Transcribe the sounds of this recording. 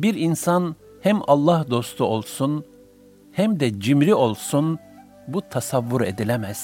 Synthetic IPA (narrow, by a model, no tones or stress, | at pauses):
biɾinsan | hæmɑlˠːɑhd̪o̞st̪ʰuo̞lˠsun | hæmd̪ɛd͡ʒimɾio̞lˠsun | but̪ʰasavːuɾe̞d̪ilʲɛmɛz̥